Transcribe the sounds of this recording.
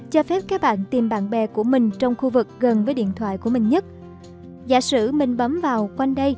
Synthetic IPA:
t͡ɕɔ˧fɛ˦˥p̚kaː˦˥k̚ɓa̰ː˧˨nt̪i˨˩mɓa̰ː˧˨nɓɛ˨˩ku˧˩əmï˨˩ŋ̟t͡ɕɔ˧wŋ͡mxu˧vɨ˨˩k̚ɣə˨˩nvəː˨˦jɗḭ˧˨ənt̪ʰwa̰ː˧˨jku˧˩əmï˨˩ŋɲə˦˥t̚ | za̰ː˧˩sɨ̰˧˩mï˨˩ŋ̟ɓə˨˦mvaː˨˩wkwa˧ŋɗə˧j

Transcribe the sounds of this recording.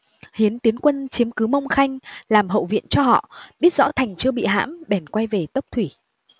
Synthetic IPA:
hi˨˦ənt̪i˨˦ənkwə˧nt͡ɕi˨˦əmkɨ˨˦mə˧wŋ͡mxa˧jŋ̟laː˨˩mɦə̰˧˨wvḭ˧˨ənt͡ɕɔ˧ɦɔ̰˧˨ɓi˦˥ət̚z̥ɔ̰˧˥t̪ʰa˨˩jŋ̟t͡ɕɨ˧əɓḭ˧˨ɦa̰ː˧˥mɓɛ˨˩nkwa˧jve˨˩t̪ə˦˥wk͡p̚t̪ʰwi˧˩

